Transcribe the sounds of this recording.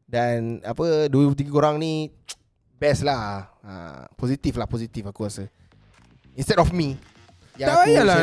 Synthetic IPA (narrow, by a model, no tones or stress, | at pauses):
dãnapədut̪iɡikoɾãŋni | bɛslahã̰pɔzit̪iflahpɔzit̪ifafkɔsə | ĩnstɛdɔfmi | jaala